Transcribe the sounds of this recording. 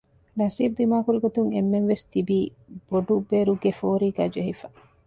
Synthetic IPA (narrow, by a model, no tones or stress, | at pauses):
nɐsiːbud̪imaːkuɾiɡot̪uŋemːenʋest̪ibiː | b̥oɖubeɾuɡefoːɾiːɡæːd͡ʒeɦifɐ